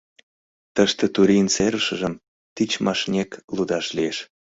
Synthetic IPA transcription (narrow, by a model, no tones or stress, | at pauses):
t̪əʃt̪ĕt̪uɾint͡seɾəʃə̆ʒəm | t̪it͡ɕmɑʃnʲeklud̪ɑʃlieʃ